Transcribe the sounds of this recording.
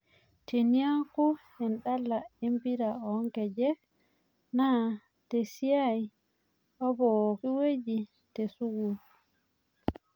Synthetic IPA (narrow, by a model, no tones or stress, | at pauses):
teniaŋku | ɛnɗalːaimbiɾaɔŋkɛd͡ʒɛk | na | tesijaj | ɔbɔokiwed͡ʒi | tɛsuɡul